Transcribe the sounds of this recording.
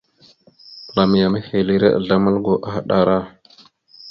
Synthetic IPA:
la˨mi˨ja˨ma˦he˨li˦ɾḛ˦ʔa̰˨ɮa˦ma˦lɡo˨ʔa˨xa˦˨ɗa˦˨ɾa˦

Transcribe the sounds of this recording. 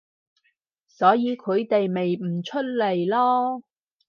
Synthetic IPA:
sɔː˨˥jiː˨˧kʰɵ˨˧ɥt̪e˨jme˨jm̩˨˩t͡ʃʰɵ˥t̚le˨˩jlɔː˥

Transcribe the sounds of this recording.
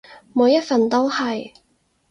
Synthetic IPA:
muː˨˧wjɐ˥t̚fɐ˨nt̪o˥whɐ˨j

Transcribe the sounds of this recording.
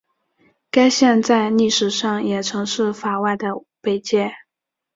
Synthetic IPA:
ka˥ɪɕjɛ˥˧nt͡sa˥˧ɪni˥˩ʂɻ̩˨˩ʂɑ˥˩ŋjɛ˨˩ʈ͡ʂʰɤ˧˥ŋʂɻ̩˥˩fa˨˩wa˥˩ɪd̪ə˩ | pe˥˩ɪt͡ɕjɛ˥˩

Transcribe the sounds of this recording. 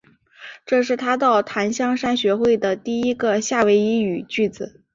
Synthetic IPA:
ʈ͡ʂɤ˥˧ʂɻ̩˥˩t̪ʰa˥t̪ɑ˥˩ʊt̪ʰa˧˥nɕjɑ˥ŋʂa˥nɕɥɛ˧˥xwe˥˩ɪd̪ə˩t̪i˥˩i˥ɡə˧ɕja˥˩we˧˥ɪi˧˥y˨˩t͡ɕy˥˩d͡zɹ̩˨˩˦

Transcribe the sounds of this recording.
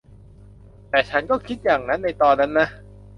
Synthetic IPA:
t̪ɛː˨˩t͡ɕʰa˦˥nkɔː˥˩kʰi˦˥t̪̚jaː˨˩ŋna˦˥nːa˧jt̪ɔː˧nːa˦˥nːa˦˥

